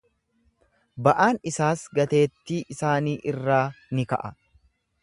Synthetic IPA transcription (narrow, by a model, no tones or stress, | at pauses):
bɐʔaːnɪsaːsɡɐt̪e̞ːt̪ːiːʔɪsaːniːʔɪrːaːnɪkɐ̰ʔɐ